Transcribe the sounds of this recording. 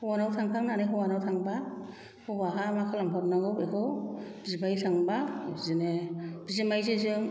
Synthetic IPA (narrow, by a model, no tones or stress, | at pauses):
hɔwanawtʰaŋtʰaŋnanɯɦɯwanawtʰaŋba | hɯwaɦamakʰɯlaŋpʰap̚naɡɯwekʰɯwb̥izibajsʰaŋbazɯneb̥izemajzezɯŋ